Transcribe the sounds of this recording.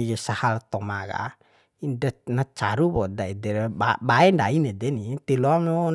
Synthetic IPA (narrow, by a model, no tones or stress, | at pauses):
iɡesahalt̪ɔmaɡa̰ | indanat͡ʃaɾubɔdaidɛɾabaɛndainedɛnit̪ɛloamo